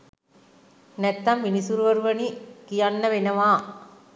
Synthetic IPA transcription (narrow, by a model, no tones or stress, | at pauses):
nɛt̪ːamːinisuɾuʋɐɾuʋɐnikijanːəʋenəʋaː